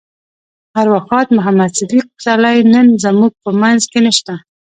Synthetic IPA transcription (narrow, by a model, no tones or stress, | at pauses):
haɾwaxɑt̪mʊɦamad̪sɪd̪iq̚salajnənzamuɡ̚pəmanzkenəʃt̪a